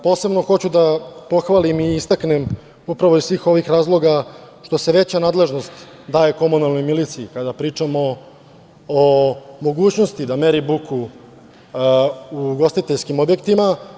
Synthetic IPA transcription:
po̞ːse̞bno̞xo̞t͡ɕud̪apo̞xʋalimiːst̪akne̞m | upɾaʋo̞isʋiːxo̞ʋixɾaːzlˠo̞ɡaʃt̪o̞se̞ʋe̞t͡ɕanaːd̪le̞ʒno̞st̪ | d̪aːje̞ko̞munalˠno̞jmilit̪siikad̪apɾiːt͡ʂamo̞ː | mo̞ɡuːt͡ɕno̞st̪id̪ameɾibukʰu | uɡo̞st̪it̪eʎskimo̞bje̞kt̪ima

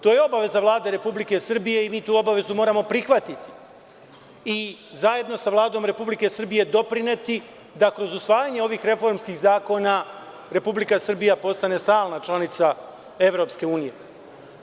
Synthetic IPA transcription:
t̪o̞ːje̞o̞baʋe̞zaʋlˠaːd̪e̞ɾe̞publike̞sr̩bije̞imiːt̪uːo̞baʋe̞zumo̞ːɾamo̞pɾixʋat̪it̪i̥ | izaje̞d̪no̞saʋlˠaːd̪o̞mɾe̞publike̞sr̩bije̞d̪o̞pɾine̞t̪i | d̪akɾo̞zusʋaːjaɲe̞o̞ʋiːxɾe̞fo̞ɾmskiːɣzaːko̞na | ɾe̞publikasr̩bijapo̞st̪ane̞st̪aːlˠnat͡ʃlˠanit̪sa | eʋɾo̞ːpske̞uːnije̞

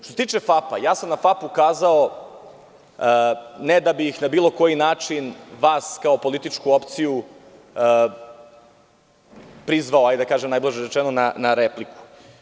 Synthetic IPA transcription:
t̪oset̪iːt͡ʃefapa̰jaːsamnafapukaːzao | ned̪abixnabiːlˠo̞ko̞jinaːt͡ʂinʋaːskaopo̞lit̪it͡ʃkuopt̪siju | pɾizʋaoajd̪akaːʒemnajblˠaʒeɾet͡ʃɛnonanaɾepliku̥

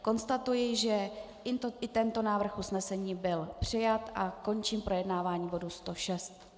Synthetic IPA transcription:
ko̞nst̪at̪ujɪʒɛ | ɪt̪oʔɪt̪ɛnt̪o̞naːvr̩xʔusnɛsɛɲiːbɪlpr̝̥ɪjat̪ʔako̞nt͡ʃiːmpɾʔo̞jɛdnaːvaːɲiːbo̞dust̪o̞ʃɛst̪

